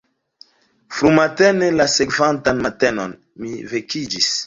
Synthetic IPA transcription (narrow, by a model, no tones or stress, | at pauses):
fɾumatenelasekvantanmatenon | mivekid͡ʒis